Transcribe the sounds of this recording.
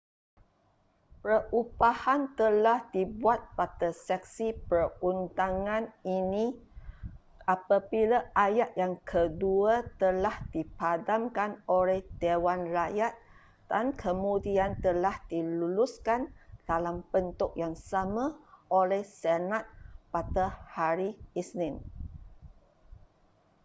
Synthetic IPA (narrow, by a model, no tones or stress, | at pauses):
pɾəʔubahant̪əlahdibuat̪̚pat̪əsɛk̚sipərunt̪aŋãnini | ʔapabilaʔajaʔ̪̚jaŋkʰəduat̪əlahd̥ipadamkanolɛhd̥ewanrajat̪̚ | d̥ankʰəmũdiant̪əlahdiluluskand̥alambənt̪ʊʔ̚jaŋsamãʔolɛhsenat̪̚pat̪ahaɾiisnɪ̃n